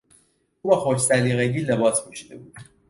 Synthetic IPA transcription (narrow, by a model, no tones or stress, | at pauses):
uːbæxoɾt͡ʃsæliɣæɟiːlebɒːspʰuʃid̪ebuːd̪